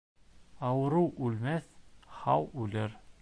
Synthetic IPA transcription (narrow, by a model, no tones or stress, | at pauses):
ɑwɤ̆ɾɤʔʉlmæθhɑwʉlɘɾ